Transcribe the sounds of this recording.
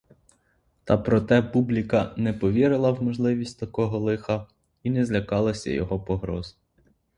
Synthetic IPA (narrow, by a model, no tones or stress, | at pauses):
t̪ɑpɾɔt̪ɛpublʲikɐnɛpɔʋʲiɾɪlˠɐwmɔʒlˠɪʋʲisʲtʲt̪ɐkɔɦɔlˠɪxɐ | inɛzlʲɐkɑlˠɐsʲɐ̰jɔ̰ɦɔpɔɦɾɔz